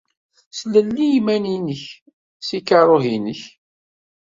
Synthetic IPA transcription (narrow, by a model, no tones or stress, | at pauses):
sləlːijmæninəç | sikəɾˤoɦinəç